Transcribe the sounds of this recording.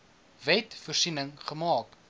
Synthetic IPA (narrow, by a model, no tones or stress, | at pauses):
vɛtfərsinəŋχəmɑːk